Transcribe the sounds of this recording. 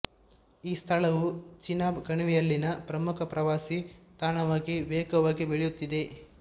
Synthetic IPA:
iːst̪ʰɐɭɐʋut͡ʃinːaːbɡɐɳuʋijɐlːinɐpɾɐmukʰɐpɾɐʋaːsit̪aːnɐʋaːɡiʋɛːkɐʋaːɡibeɭjut̪ːid̪e̞

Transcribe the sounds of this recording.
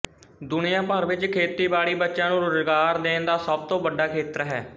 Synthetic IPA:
d̪ʊnijãːpəɾʋɪt͡ʃkʰeːt̪iːbaːɽiːbətːʃãːnũːɾʊzɡaːɾd̪eːnd̪aːsəb̚t̪õːbəɖaːkʰeːt̪əɾɦɛː

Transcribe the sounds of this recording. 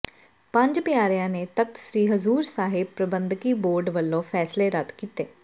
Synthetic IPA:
pə̃ɲd͡ʒpɪjaːɾɪjãːneːt̪ək̚t̪sɾiːɦəzuːɾsaːɦɪb̚pɾəbənd̪kiːboːɾɖʋəlːõːpʰɛːsleːɾət̪kiːt̪eː

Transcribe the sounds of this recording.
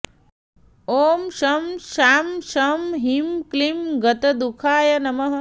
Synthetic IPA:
oːmʃɐmʃaːmʃɐmɦimklimɡɐt̪ɐd̪ukʰaːjɐnɐmɐɦɐ

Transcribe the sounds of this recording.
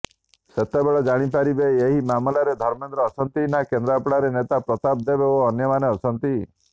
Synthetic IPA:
set̪ebeɭɔd͡ʒaɽ̃ip̬aɾibeeɦimamlaɾed̪ʱɔɾmend̪ɾɔːsʰɔnt̪inakend̪ɾapɽaɾenet̪apɾɔt̪ab̚d̪ebeoɔnjɔmaneɔt͡ʃʰɔnt̪i

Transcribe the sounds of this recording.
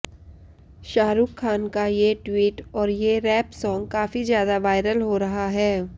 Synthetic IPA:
ʃaːɾuːkʰːaːnkajeʈwiːʈɔːɾjeɾɛːpsɔ̃ːŋɡkaːfizjaːd̪aʋaːɪɾəlɦoɾɐɦaɦɛː

